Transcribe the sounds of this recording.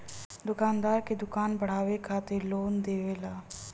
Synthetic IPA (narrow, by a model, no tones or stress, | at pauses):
d̪ʊkaːnd̪aːɾked̪ʊkaːnbəɽ̤aːʋekʰaːt̪eloːnd̪eːʋeːlaː